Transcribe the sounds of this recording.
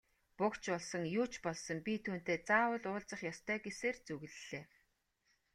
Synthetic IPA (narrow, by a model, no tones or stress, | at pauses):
pʊkt͡ɕɔɮsɞ̆ŋjuːt͡ɕʰpɔɮsɞ̆ŋpʲit̪ʰuːn̥t̪eːt͡saːwə̆ɮʊːɮt͡sə̆χjɔst̪ʰœːɡeseːrt͡suɣ̆ɮːeː